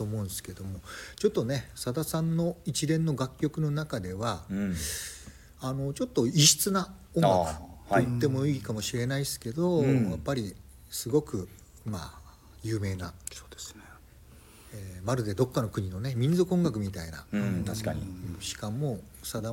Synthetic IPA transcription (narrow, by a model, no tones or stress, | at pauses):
t̪oːmõ̞ːnsɨ̥ke̞d̪o̞mo̞t͡ɕo̞t̪ːo̞ne̞sad̪asãnːo̞it͡ɕiɾẽ̞nːo̞ɡakʲːo̞kɯ̟no̞nakad̪e̞βa | ano̞t͡ɕo̞t̪ːo̞iɕi̥t͡sɨna | õ̞ŋɡakɯ̥t̪ːe̞mo̞iːkamo̞ɕiɾe̞naisɨ̥ke̞d̪o̞japːaɾʲi | sɨɡo̞kɯ̟ | ma̰ | jɯ̟ːme̞ːnaso̥d̪̥ese | eːmaɾɯ̟d̪e̞d̪o̞kːano̞kɯ̟ɲ̟ino̞ne̞mʲĩnzokɯõ̞ŋɡak̬ɯ̟mʲit̪aina̰aiɕi̥kamo̞ | sad̪a